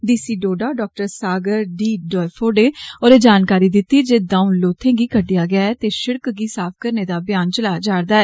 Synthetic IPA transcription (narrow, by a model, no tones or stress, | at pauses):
ɖiːsiːɖoːɖaːɖɔːk̚ʈəɾsaːɡəɾɖiːɖɔːjpʰoːɖeːɔːɾeːd͡ʒaːnkaːɾiːd̪ɪt̪ːiːd͡ʒeːd̪ãːũloːt̪ʰẽːɡiːkʰəɖɪjaːɡɪaːɛːt̪eːʃɪɽkɡiːsaːp̚ʰkəɾneːd̪aːbɪjaːnt͡ʃəlaːd͡ʒaːɽd̪aːɛː